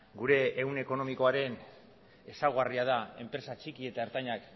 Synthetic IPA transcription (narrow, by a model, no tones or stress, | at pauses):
ɡuɾe̞ːwne̞ko̞no̞miko̞aɾe̞n | e̞sawɣariað̞ae̞mpɾe̞sat͡ʃikie̞t̪aeɾt̪aɲak